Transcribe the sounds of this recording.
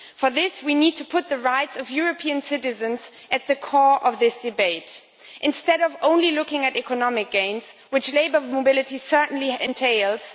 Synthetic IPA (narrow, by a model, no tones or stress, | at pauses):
fə˞ðɪswinid̚tʰɨpʰʊt̪̚ðɨɹaɪtsʌvjʊɹɨpʰiɨ̃nsɪɾɨzɨ̃nz | ʔɨt̪̚ðɨkʰɔɹʔʌvðɪsd̥ɨbeɪt | ʔɨ̃nstɛɾʌvõʊ̃nlilʊkɪ̃ŋɨɾɛkɨnɑmɨk̚ɡ̥ẽɪ̃nz̥wɨt͡ʃleɪbə˞moʊbɪlˠɨɾisɜ˞ʔn̩liɪ̰̃ntʰeɪlˠz̥